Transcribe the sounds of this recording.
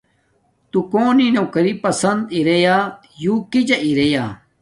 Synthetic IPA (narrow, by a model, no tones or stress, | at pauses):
t̪ukoːninokɐɾipɐsɐnd̪iɾejaː | juːkid͡ʑɐʔiɾejaː